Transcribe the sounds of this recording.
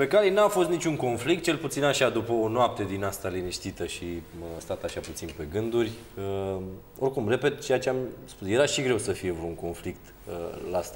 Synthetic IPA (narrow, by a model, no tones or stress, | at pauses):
pe̞kaɾejnafo̞st̪nit͡ʃʲuŋko̞nflik̚t̪̚t͡ʃe̞lput̪sinaʃad̪upəonoap̚t̪e̞d̪inast̪aliniʃt̪it̪əʃist̪at̪aʃaput̪sinpe̞ɡɨnd̪urʲ | ə | o̞rkumre̞pe̞t̪t͡ʃe̞jat͡ʃeamspusje̞ɾaʃiɡɾe̞wsəfijevɾuuŋko̞nflikt̪ | əlast̪a